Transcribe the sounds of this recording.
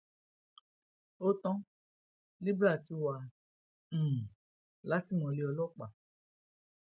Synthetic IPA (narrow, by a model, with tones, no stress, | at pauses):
o˦tɔ̃˦ | li˦bɾa˦˨ti˦wã˧˦˨ | la˦ti˦˨mɔ̃˧li˦ɔ˧lɔ˦˨k͡pa˨